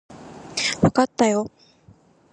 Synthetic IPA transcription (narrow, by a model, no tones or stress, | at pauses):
βakat̪ːajo̞